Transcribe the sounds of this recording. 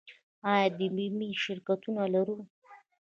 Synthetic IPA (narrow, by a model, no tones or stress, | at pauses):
ɑjɑd̪əmimiʃɪɾkat̪unalaɾu